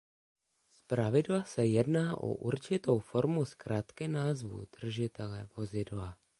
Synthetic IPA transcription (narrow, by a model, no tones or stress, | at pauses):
spɾavɪdlasɛjɛdnaːʔo̰ʔṵɾt͡ʃɪt̪o̞wfo̞ɾmuskɾaːt̪kɪnaːzvṵd̪̥r̩ʒɪt̪ɛlɛvo̞zɪdla